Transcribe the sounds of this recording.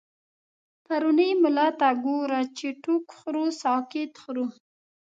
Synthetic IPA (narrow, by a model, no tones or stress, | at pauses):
paɾunəjmʊlɑt̪aɡoɾat͡ʃeʈukxɾusɑkɪt̪xɾu